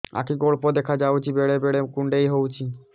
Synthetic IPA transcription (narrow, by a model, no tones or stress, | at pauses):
a̰kiɡoɭpod̪ekʰad͡ʑawt͡ɕʰibeɽebeɽekuɳɖejɦowt͡ɕʰi